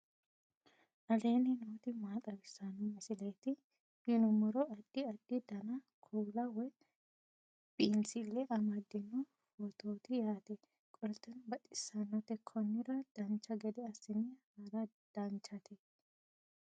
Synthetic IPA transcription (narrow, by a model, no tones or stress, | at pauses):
ʔɐle̞ːnɪnoːt̪ɪmaːt̪ʼɐbɪsːɐnːɔmɐsɪleːt̪ɪ | hɪnʊmɔɾɔɐɗːɪɐɗːɪd̪ɐnɐ | kʰuːlɐwɔj | b̥iːnsɪlːɛʔɐmɐd̪ːɛnːɔ | hɔt̪oːt̪ɪjaːt̪ɛ | kʼɔlt̪ːɛnbɐt̪ʼːɪsːɐnːɔt̪ɛkʰːɔnːɪɾɐd̪̥ɐnt͡ʃːɐɡɛd̪ɛɐsɪnːɪhaːɾɐ | d̪̥ɐnt͡ʃːɐt̪ʰɛ